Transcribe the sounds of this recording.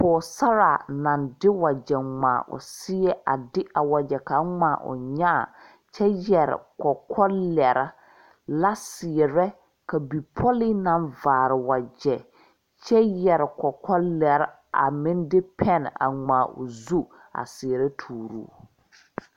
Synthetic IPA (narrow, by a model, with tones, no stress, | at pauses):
pʊː˨sa˦ɾa˨nã˨ndɪ˦wa˨d͡ʒɛ˨ŋ͡ma̰ː˨ʔʊ̰˨sɪ˦ɛ˦ʔa̰˨dɪ˦ʔa˨wa˨d͡ʒɛ˨ka˨˦ŋ͡maː˨ʔʊ̰˨ɲa˦˨ | t͡ʃɛ˦jɛ˨ɾɪ̰˨kɔ˨kʰɔ˦lɛ˨ɾɪ˦ | la˦sɪ˨ɛ˨ɾɛ˦ | ka˨bi˨pʰɔ˦li˦nã˨˦nvaː˨ɾɪ˨wa˨d͡ʒɛ˨ | t͡ʃɛ˦jɛ˨ɾɪ˨kɔ˨kʰɔ˦lɛ˨ɾ | a̰˨mɪ̃˦n˦dɪ˦pʰɛ˦na̰˨ŋ͡maː˨ʊ̰˨zu˦ | a̰˨sɪ˨ɛ˨ɾɛ˦tʰuː˨ɾṵː˦